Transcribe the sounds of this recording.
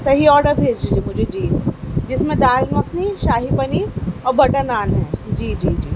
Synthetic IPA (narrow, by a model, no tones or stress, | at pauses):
sɐɦiɔːɖəɾbʱeːd͡ʒid͡ʒemʊd͡ʒʱed͡ʒiːd͡ʒɪsmẽd̪aːlʋɐkniʃaːɦipɐniɔːɾbɐʈanaːnɦɛːd͡ʒiːd͡ʒiːd͡ʒiː